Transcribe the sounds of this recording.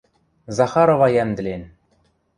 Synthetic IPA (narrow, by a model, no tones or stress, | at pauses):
zɑχɑɾovɑjæmd̪ɘ̆lʲen